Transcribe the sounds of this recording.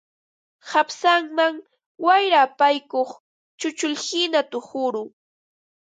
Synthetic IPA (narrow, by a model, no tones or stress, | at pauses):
hapsaŋmaŋ | wajɾaːpajkoχ | t͡ʃʊt͡ʃʊlhɪnat̪ʊhʊɾʊ